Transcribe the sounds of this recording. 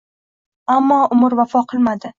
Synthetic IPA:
amːɒʔʊmɪɾvafɒqʰɨlˠmad̪ɪ

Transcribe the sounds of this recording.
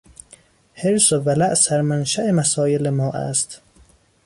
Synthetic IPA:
heɾsovælæʔsæɾmænʃæʔemæsɒːjelemɒːʔæ̰st̪

